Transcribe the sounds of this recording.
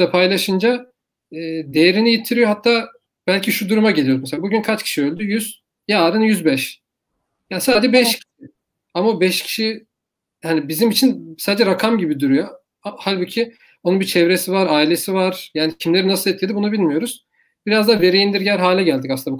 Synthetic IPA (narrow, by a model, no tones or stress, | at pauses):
apʰajlˠaʃɯnd͡ʒa | ɛːd̪e̞jeɾinijit̪ʰiɾijo̞ɦat̪ʰːaː | bælʲcʰiʃud̪uɾumaɟe̞lʲijoɾzmɛseabuɟynkʰat͡ʃcʰi̥ʃiø̞lʲd̪yjyz̥ | jaaːd̪ɯnjyzbɛʃ | jaːsaːd͡ʒɛbɛʃcʰi̥ʃi | amaobɛʃcʰi̥ʃi | hanibizimit͡ʃʰinsaːd̪ed͡ʒɛɾakʰamɟibid̪uɾyjo | ahalʲbuːcʰi | o̞nunbit͡ʃʰɛvɾesivaɾaːilʲe̞sivaɾ̥jaːnicʰimlʲeɾinasɯlˠɛt̪ʰːʲeibunubilʲmijo̞ɾuz̥ | biɾazd̪aːve̞ɾejind̪iɾɟæɾɦaːlʲɛɟælʲd̪ikasɯnabu